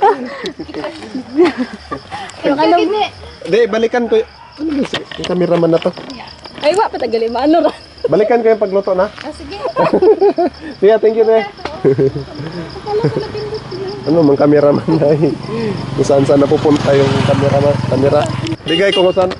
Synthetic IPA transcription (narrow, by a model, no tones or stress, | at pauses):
ŋanod̪ɛbalikankoj | anoɡasŋkamiɾamanːat̪o | ajwaʔpat̪aɡalimanoɾa | balikankojaŋpaɡlot̪oʔnaɡ | sijat̪ɛŋkjud̪ɛ | anomaŋkamiɾamanaj | ŋusansanapupʊnt̪ajoŋkamiɾamakamiɾabiɡajkoŋusan